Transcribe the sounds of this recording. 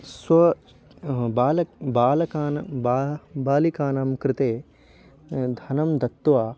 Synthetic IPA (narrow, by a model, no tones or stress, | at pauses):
swɐ | baːlɐbaːlɐkaːnɐbaːbaːlikaːnɐmkɾɪt̪eː | d̪ʱɐnɐmd̪ɐt̪ːʋaː